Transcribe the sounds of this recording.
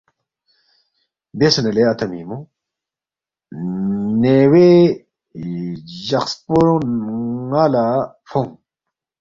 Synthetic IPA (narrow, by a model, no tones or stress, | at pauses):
besneleɐt̪ʰɐmḭːmu | newe | ʑɐxspuɾ | ala | foŋ